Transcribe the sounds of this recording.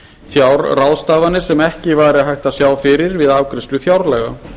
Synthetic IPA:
fjawɾrawst̪aːvanːɪɾ̥sɛmɛhcɪvajɾɪaðɦajxt̪asjaːwfɪɾɪɾvɪðaːvkɾɪst̪lʏfjawɾlɛɣa

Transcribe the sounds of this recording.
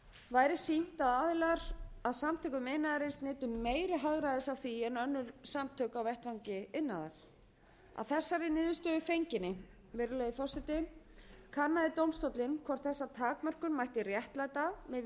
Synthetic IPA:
vaːjɾɪ̥sin̥t̪aðaːðɪlɛɾ̥aðsamt̪ʰœːkʏmɪnːaðaɾɪnsnɪːt̪ʏmːeːjɾɪɦaɣɾajðɪsawθiɛnœnːʏɾ̥samt̪ʰœːkawvɛht̪vaŋcɪɪnːaða̰ɾ̥ | a̰ðθɛsːaɾɪnɪːðʏst̪œðʏfejɲcɪnːɪ | vɪɾɪlɛːjðɪfɔsɪt̪ɪ | kʰanːaðɪt̪owmst̪ɔwt̪lɪnkʰvɔr̥t̪θɛsːat̪ʰaːkmœr̥kʏnmajht̪ɪrjɛht̪lajt̪amɛ

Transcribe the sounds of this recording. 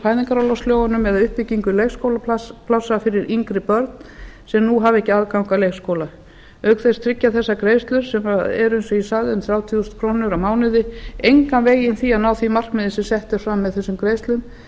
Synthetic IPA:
haːjðiŋkaɾawlawst̪ljoːwɣanʏmɛðaʏhpɪciŋkʏlejxskowlapʰlawsafɪɾɪɾʔiŋkɾɪpœɾt̪n | sɛmnuɦavɛhcɪaðkawŋkalejɣskowla | œɥkθɛst̪ʰɾɪcːaθɛsːakɾeːjst̪lʏɾ̥sɛmaɛɾʏɪnsɔisaðʏmθɾjaːwt̪ʰiust̪kʰɾoːnʏɾawmaːwnɪðɪejŋkanveːjɪnθianaːwθimar̥kmɪðɪsɛmsɛht̪ɪɾfɾamːɛðθɛsʏmkɾeːjst̪lʏm

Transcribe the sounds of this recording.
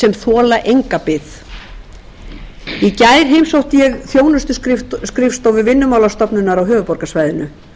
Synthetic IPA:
sɛmθɔːlaʔejŋkapɪθ | icajɾ̥ɦejmsowht̪ɪjɛɣθjoːwnʏst̪ʏskɾɪfst̪owvʏvɪnːʏmawlast̪ɔpnʏnːaɾawɦœːvʏpɔɾkasvaːjðʏnʏ

